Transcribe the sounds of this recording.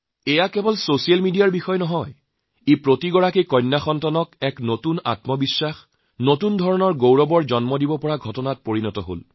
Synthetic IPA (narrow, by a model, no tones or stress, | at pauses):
ɛjakɛbɔlsosialmidijaɹbixɔjnɔɦɔj | epɹotiɡɔɹakekɔnːaxɔntanɔkɛknotuna̰tmɔbisːax | notundʱɔɹɔnɔɹɡowɹɔbɔɹd͡ʒɔnmɔdibɔpɔɹaɡʱɔtɔnat̚poɹinɔtɔɦo̰l